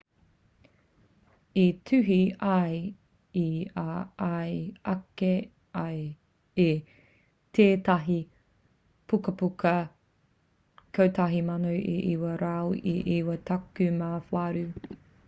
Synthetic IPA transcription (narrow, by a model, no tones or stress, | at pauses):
itʰʉɦiɐj | iaajɐke | ɐj | e | tʰeːtɐɦi | pukɐpukɐ | kʰowtʰɐɦimɐnowʔḭʔiwɐɾawʔiʔiwɐtʰɐkʉmafaɾʉ